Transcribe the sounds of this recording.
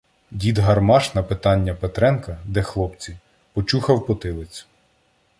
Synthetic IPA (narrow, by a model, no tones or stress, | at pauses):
dʲid̪ɦɐrmɑʃnɐpɪt̪ɑnʲːɐpet̪ɾɛnkɐd̪ɛxlˠɔp̚t͡sʲi | pɔt͡ʃuxɐwpɔt̪ɪlˠɪt͡sʲ